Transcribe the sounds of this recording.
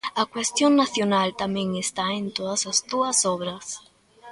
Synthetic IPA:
akwest̪joŋnaθjonalt̪amjẽŋest̪aent̪oðasast̪uasoβɾas

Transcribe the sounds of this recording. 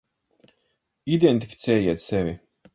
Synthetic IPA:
id̪ent̪ʲifʲi̥t̪sʲɛːjiɛt̪sɛvʲi

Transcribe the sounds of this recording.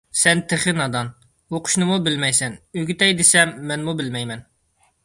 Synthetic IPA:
sɛnt̪ʰɪχɪnɑd̪ɑn | oqʰʊ̥ʃnɨmubɪlmɛjsɛnøɡʲyt̪ɛjd̪esɛmːɛnmubɪlmɛjmɛn

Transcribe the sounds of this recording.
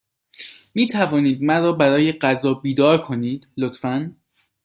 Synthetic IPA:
miːt̪ʰævɒːniːd̪̚mæɾɒːbæɾɒːje̞ɢæzɒːbiːd̪ɒːɾkʰo̞niːd̪̥lot̪fæn

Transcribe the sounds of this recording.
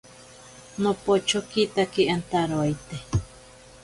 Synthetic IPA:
nopot͡ʃokit̪akiant̪aɾoajt̪e

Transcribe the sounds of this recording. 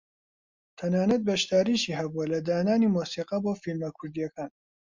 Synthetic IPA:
t̪ʰɐnaːnɐt̪̚bɐʃd̪aːɾiːʃiːhɐbuɐlɐd̪aːnaːniːmuːsiːqɐboːfilmɐkʰʊɾd̪ijɐkaːn

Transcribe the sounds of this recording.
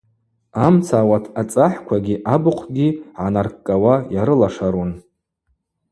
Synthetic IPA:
amt͡sʰaːwatʰat͡sʼaħkʷʰaɡʲiʔabɨqʷʰɡʲiʕanarkʼːawajaɾɨlaʂaɾun

